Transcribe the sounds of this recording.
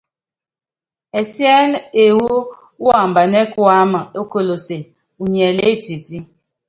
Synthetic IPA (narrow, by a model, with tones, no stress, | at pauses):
e˨sjɛ˦le˨wu˦ | wɔ˦˨m̩˨ba˨ne˦ku˦a˦ma˨o˦ko˦lo˨se˨ | u˨ɲe˨le˦ti˨ti˦